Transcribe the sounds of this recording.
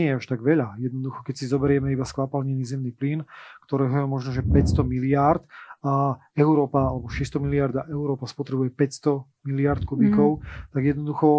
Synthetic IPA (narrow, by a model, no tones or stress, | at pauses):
ɛjɛaʃt̪aɡʋɛʎajɛd̪nɔd̪uxɔkɛcsizɔbɛɾɪɛmɛibaskʋapalɲɛniːzɛmniːplinkt̪ɔɾɛːɦɔjɛmɔʒnɔʒɛpɛcst̪ɔmilɪaɾt̪a | ɛʊɾɔːpaalɛbɔʃɛst̪ɔmiliaɾd̪aʔɛʊɾɔːpaspɔt̪ɾɛbujɛpɛcst̪ɔ | miliaɾt̪kubikɔʊt̪aɡjɛd̪nɔd̪uxɔ